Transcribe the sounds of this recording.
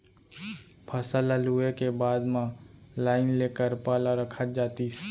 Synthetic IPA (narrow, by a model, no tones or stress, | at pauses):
pʰəsələluekebaːd̪mãlaːɪnleːkəɾpaːlaɾəkʰət̪̚d͡ʒaːt̪i